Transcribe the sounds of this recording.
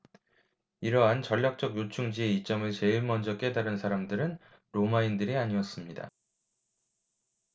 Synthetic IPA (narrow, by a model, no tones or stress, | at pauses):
iɾʌɦant͡ɕʌʎːak̚t͡ɕ͈ʌɡjot͡ɕʰuŋd͡ʑie̞it͡ɕ͈ʌmɯɭt͡ɕe̞ɯɭmʌnd͡ʑʌk͈e̞daɾɯnsʰaɾamdɯɾɯn | ɾomaindɯɾiaɲiʌs͈ɯmɲida̰